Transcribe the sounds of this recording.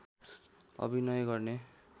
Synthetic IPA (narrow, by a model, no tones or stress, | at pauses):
ʌ̰bʱinʌjɡʌrne